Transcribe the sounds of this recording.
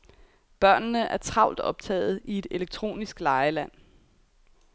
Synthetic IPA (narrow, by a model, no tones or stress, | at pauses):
b̥ɶɐ̰nnəʔæɐt͡sʰʁɑ̈ʊld̥ɒ̽b̥̚t͡sʰɛ̰ːð̞̩ˠʔie̝d̥e̝leɡ̥̚t͡sʰʁo̝̰ːnisɡ̥lɑ̈ɪəlæn̰